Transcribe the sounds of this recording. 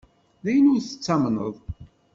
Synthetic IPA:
ðæjənʊɾθə̥t͡sːɑmnə̰ðˤ

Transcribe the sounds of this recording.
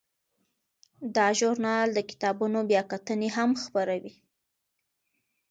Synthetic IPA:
d̪ɑʒʊɾnɑld̪əkɪ̥t̪ɑbunobjɑkat̪əneɦamxpaɾawi

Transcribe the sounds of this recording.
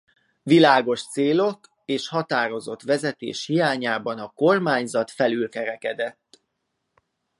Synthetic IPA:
vilaːɡo̞ʃt̪seːlo̞k | eːʃhɒt̪aːɾo̞zo̞t̪ʋɛzɛt̪ḛːʃhijaːɲaːbɒnɒko̞rmaːɲzɒt̪fɛlylkɛɾɛkɛd̪ɛt̪ː

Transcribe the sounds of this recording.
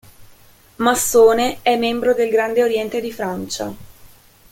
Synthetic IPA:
masːoːneɛmːɛmbɾod̪elɡɾand̪eoɾjɛnt̪ed̪ifɾant͡ʃa̰

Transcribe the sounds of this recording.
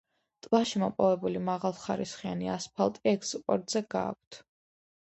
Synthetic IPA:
t̪ʼlˠaʃimɔpʼɔvɛbulimaʁalˠχaɾisχianiaspʰalˠt̪ʼiɛkspʼɔɾt̪ʼzɛɡa̰ːk̚ʷʰt̪ʰ

